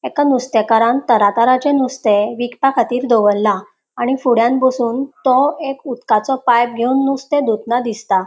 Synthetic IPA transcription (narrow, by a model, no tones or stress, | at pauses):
ekanust̪ekaɾãnt̪əɾat̪aɾat͡ɕenust̪eʋikpakʰat̪iːɾd̪oʋəlːa | aɽ̃ifuɽjãnbəsuːnt̪ɔekut̪kat͡sɔpajp̚ɡʱeunːust̪ed̪ut̪nad̪ist̪a